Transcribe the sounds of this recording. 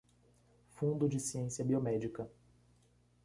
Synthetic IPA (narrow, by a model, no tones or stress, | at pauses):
fũnd̪ʊd͡ʒɪsiẽsiɐbiomɛd͡ʒikɐ